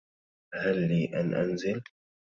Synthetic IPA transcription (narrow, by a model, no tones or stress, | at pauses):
halːiːʔa̰nʔa̰nzɪl